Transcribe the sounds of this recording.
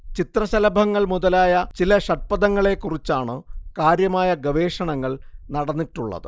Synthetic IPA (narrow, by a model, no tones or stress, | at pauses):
t͡ɕit̪rɐɕɐlɐbʱɐŋːɐɭmuðɐlaːjɐt͡ɕilɐɕɐʈ̚pɐðɐŋːɐɭe̞kːurit͡ɕːaːɳɨkaːɾjɐmaːjɐɡɐʋe̞ːʂɐɳɐŋːɐɭnɐɽɐnːiʈːuɭːɐ̰ðɨ